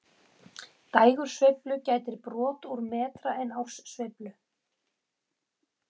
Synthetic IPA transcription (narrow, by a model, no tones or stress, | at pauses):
t̪aːjɣʏɾ̥svɪplʏcaːjt̪ɪɾpɾɔːt̪uɾmɛːt̪ɾaɛnawsːvɪplʏ